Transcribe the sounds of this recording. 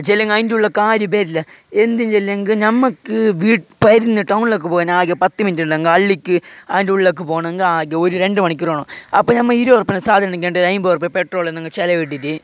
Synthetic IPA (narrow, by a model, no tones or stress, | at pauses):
t͡ɕelːɐŋɡɐjnduɭːɐkaːɾjup̬eːɾilːɐe̞nd̪iɲd͡ʑelːɐŋɡɨnɐmːɐkːɨʋiːʈɨpɐɾnːiʈːɐwnilok̬ːɨpoːɐnaːɡɐpɐt̪ːɨmindiɐŋɡɐɐɭːikʲːɨaːnduɭilok̬ːɨpoːɳɐɐŋɡɐaːɡɐoɾuɾe̞ɳɖɨmɐɳikʲːuroːɳoːɐpːoːnɐmːɐiɾuʋɐrpːɐnɐsaːd̪ʱɐɾɐɳik̬ʲːeːɳɖɨɾɐjmbɨʋɐrpːepeʈro̞ːɭenːɐŋːɐt͡ɕelɐʋiʈ̬ːitːɨ